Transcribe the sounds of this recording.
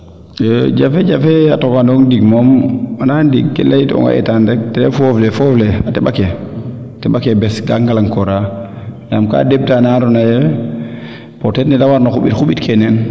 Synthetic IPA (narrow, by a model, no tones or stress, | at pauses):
d͡ʒafɛd͡ʒafɛatɔkandɔŋdiɡmɔmanandiɡkːɛ̰laitɔ̰ŋa̰ʔɛ̰tandɛk̚tɛɾɛfɔflɛfɔflɛatɛɓakɛ | tɛɓakɛbɛsɡaŋɡalaŋkɔɾa | jamka̰deb̚tanaɾɔnajɛ | pɔtɛtnɛdawaɾnaxuɓitxuɓitkʰɛnɛn